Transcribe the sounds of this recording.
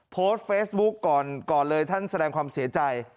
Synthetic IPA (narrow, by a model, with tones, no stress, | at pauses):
pʰoː˦˥st̪̚feː˦˥sbu˦˥kːɔː˨˩nkɔː˨˩nlɤː˧jt̪ʰa˥˩nsa˧ɾɛː˧ŋkʰwaː˧msi˩˦ɐt͡ɕa˧j